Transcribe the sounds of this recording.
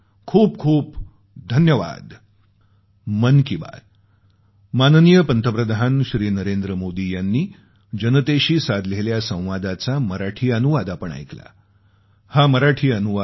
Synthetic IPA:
kʰuːp̚kʰuːp | d̪ʱənjəʋa̰d̪ | mənkiba̰ɾ | manənijəpənt̪ʰəpɾəd̪anɕɾiːnəɾend̪ɾəmod̪ijanːiː | d͡ʑənət̪eɕiːsad̪leljasə̃w̃ʋad̪at͡saməɾaʈʰiːənuʋad̪apəɳa̰jkla̰ | haməɾaʈʰiːənuʋa

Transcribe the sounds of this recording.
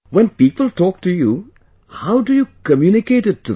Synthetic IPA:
ʋɛ̃npiːpəlʈɔːk̚ʈuju | haʊɖujuːkəmjunɪkeːʈɪtʰːu

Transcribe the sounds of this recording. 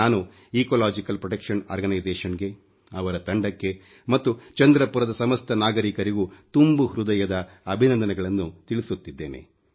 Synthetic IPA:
aːnu | iːkolaːd͡ʒikɐlpɾɔʈɐkʂɐna̰ːɾɡɐnɐjzɛːʂɐnɡe̞ | ɐʋɐɾɐt̪ɐɳɖɐkːe̞ | mɐt̪ːut͡ʃɐnd̪ɾɐpuɾɐd̪ɐsɐmɐst̪ʰɐnaːɡɐɾikɐɾiɡut̪umbuhɾud̪ɐjɐd̪ɐː | bʱinɐnd̪ɐnɛɐɡɐɭɐnːut̪iɭisut̪ːid̪ːe̞ːnḛ

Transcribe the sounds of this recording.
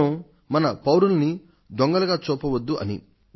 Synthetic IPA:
ɐ | mɐnɐpɐwɾulɐni | d̪ɔŋɡɐlɐɡaːt͡ʃuːpɐʋɐd̪ːuʔɐ̰nḭ

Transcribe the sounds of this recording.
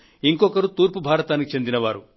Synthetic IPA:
iŋkɔkɐɾut̪uːɾpubʱaːɾɐt̪aːnikit͡ʃe̞nd̪inɐʋaːɾu

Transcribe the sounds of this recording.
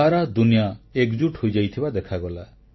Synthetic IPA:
aɾad̪unijaekd͡ʒuʈhojd͡ʒajt̪ʰibad̪ekʰaɡɔla

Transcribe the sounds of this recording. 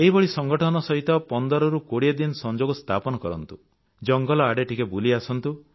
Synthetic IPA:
eɦibɔɭisɔŋɡɔʈʰɔnɔsɔɦit̪ɔpɔnd̪ɔɾɔɾukoɽied̪insɔnd͡ʒoɡɔst̪ʰapɔnɔkɔɾɔnt̪u | d͡ʒɔŋɡɔlɔaɖeʈikebuliasɔnt̪u

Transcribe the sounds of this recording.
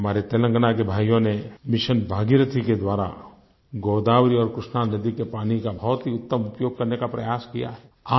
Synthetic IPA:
maːɾet̪eːlə̃ŋɡənakebʱaːjõnemɪʃənbʱaːɡiɾət̪ʰiked̪waːɾa̰ | ɡoːd̪aːwɾiɔːɾkɾɪʃnaːnnəd̪ikepaːnikabʱɔːt̪ɦiʊt̪ːəmʊpjoːɡ̚kɐɾnekapɾɐjaːskija̰ɦɛːaː

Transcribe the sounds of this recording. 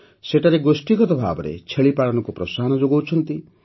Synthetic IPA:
seʈaɾeɡosʈiɡɔt̪ɔbʱa̰bɔɾḛt͡ʃʰeɭipaɽɔnɔkupɾɔsaɦɔnɔd͡ʒoɡawt͡ʃʰɔnt̪i

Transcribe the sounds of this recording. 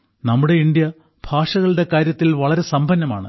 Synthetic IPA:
nɐmːuɽe̞ind̪jɐ | b̥ʱaːʂɐɣɐɭɨɽe̞kaːɾjɐt̪ːilʋɐɭɐɾe̞sɐmbʱɐnːɐma̰ːɳɨ̰

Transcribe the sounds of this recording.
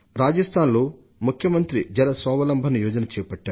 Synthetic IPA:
ɾaːd͡ʒɐst̪ʰaːnloː | mukʰjɐmɐnt̪ɾid͡ʒɛlɐsʋɐʋɐlɐmbʱɐnijɔːd͡ʒɐnɐt͡ʃɛːpɐʈːaːɾu

